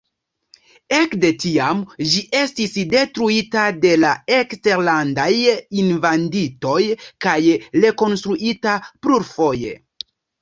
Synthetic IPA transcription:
e̞kde̞tiamd͡ʒiʔe̞stisde̞tɾuitade̞lae̞kste̞ɾlandajinvandito̞jkajɾe̞ko̞nstɾuʔitapluɾfo̞je̞̰

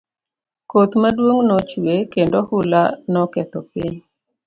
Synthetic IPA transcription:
kot̪madwoŋnɔt͡ʃuekendohʊlanɔkɛt̪ɔpiɲ

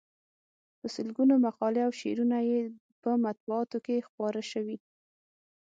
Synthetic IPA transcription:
pəsəlɡunomaqɑleawʃḛɾunaje | pəmat̪̚buɑt̪okexpɑɾaʃəwi

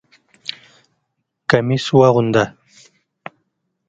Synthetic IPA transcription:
kamiswaʁʊnd̪a

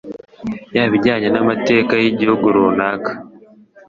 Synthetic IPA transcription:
jaβiɟaːɲenamate̞ːkajiɟihuɡoɾonaːkḁ

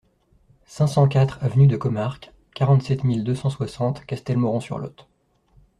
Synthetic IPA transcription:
sɛ̃sɑ̃kʲat̪χavnyd̪əkɔmaʁk | kaʁɑ̃t̪sɛt̪mild̪øsɑ̃swasɑ̃t̪kʲast̪ɛlmɔʁɔ̃sy̰ʁlɔ̰t̪

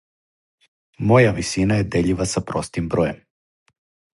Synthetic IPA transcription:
mojaʋisinajed̪eʎiʋasapɾost̪imbɾojem

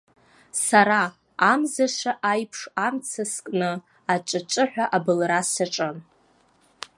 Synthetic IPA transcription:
saɾaː | mzaʂaʔajpʰʂamt͡sʰaskʼnɨ | at͡ʃʷʼat͡ʃʼɨħᶣʷaʔabɨlrasaʈ͡ʂʼɨn

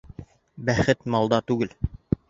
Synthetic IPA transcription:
bæχɘt̪mɑlˠd̪ɑt̪ʉɡɘl

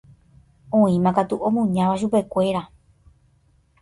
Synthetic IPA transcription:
õĩmãkat̪uʔõmõɲãʋaʃ̬upe̞kʷe̞ɾa

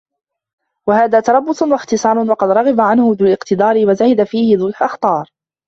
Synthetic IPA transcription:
wahaːðaːt̪ɑɾˤɑbːʊswaxt̪ɨsˤɑːɾˤʊnwɑqɑd̪ɾˤɑɣɑbaʕanhʊðʊːlɪqt̪ɪd̪ˤɑːɾɪwazahɪd̪afiːhɪðʊlħʔɑxt̪ˤɑːɾˤ

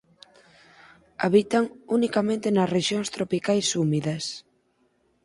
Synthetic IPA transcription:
aβit̪aŋunikamẽnt̪ɪnɐsreʃjoŋst̪ɾopikajsumiðɐs

